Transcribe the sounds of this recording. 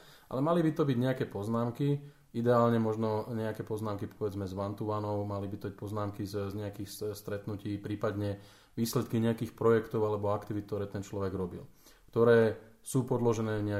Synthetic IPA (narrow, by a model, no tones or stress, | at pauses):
ʔa̰lɛmalibit̪ɔbiɟɲɛakɛːpɔznaːmki | id̪ɛaːlɲɛmɔʒnɔɲɛakɛːpɔznaːmkipɔʋɛd͡zmɛzʋant̪uʋanɔʊmalibit̪ɔbic̚pɔznaːmkizzɲɛakiːxsst̪ɾɛt̪nuciːpɾiːpad̪ɲɛ | ʋiːslɛt̪̚kiɲɛakiːxpɾɔjɛkt̪ɔʊalɛbɔakt̪iʋit̪̚t̪ɔɾɛːt̪ɛnt͡ʃlɔʋɛɡɾɔbḭl | kt̪ɔɾɛː | suːpɔd̪lɔʒɛnɛːɲɛa